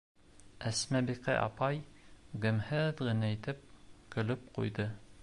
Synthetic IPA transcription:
æsmæbiqɘ̰ʔɑ̰pɑjɡɘ̆mhɘðʁɘ̆næit̪ɘp̚kɵ̆lɵp̚qṵjd̪ɤ

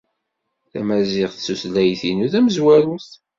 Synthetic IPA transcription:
θæ̰mæzɪʁθsuslæjθinuðæməzwæɾuθ

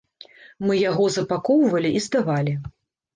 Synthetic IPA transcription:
mɨjaɣɔzɐpakɔwvɐlʲiʔizd̪avalʲi

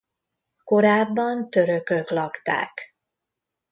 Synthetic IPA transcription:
ko̞ɾaːbːɒnt̪ø̞ɾøkøklɒkt̪a̰ːk

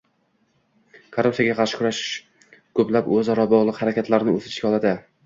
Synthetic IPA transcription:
kʰoɾup̪sijaɡʲaqʰɑɾʃɪ̥kʰʊɾaʃɪ̥ʃ | kʰɵplapɵzɒɾɒbɒʁlˠɨqhaɾakʲʰat̪laɾnɪɵt̪ɪ̥ʃkʲaɒlˠad̪ɪ

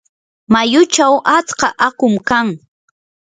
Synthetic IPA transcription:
majʊt͡ʃawʔat͡skɑʔakʊmkaŋ

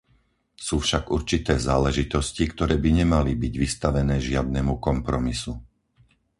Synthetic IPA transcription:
suːfʃaɡuɾt͡ʃit̪ɛːzaːlɛʒit̪ɔscikt̪ɔɾɛːbiɲɛmalibiɟʋist̪aʋɛnɛːʒɪad̪̚nɛmukɔmpɾɔmisu

